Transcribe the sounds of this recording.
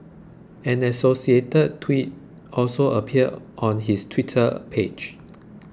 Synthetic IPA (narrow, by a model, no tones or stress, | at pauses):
ɛ̃nɛsosietəd̚tʰwit̚ | ʔɔlsoʔəpʰiədʔɔ̃nɦistʰwitʰə̰pʰed͡ʒ